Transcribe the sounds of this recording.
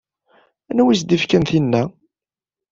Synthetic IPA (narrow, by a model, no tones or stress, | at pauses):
ænæwisd̪ifkænθinːæ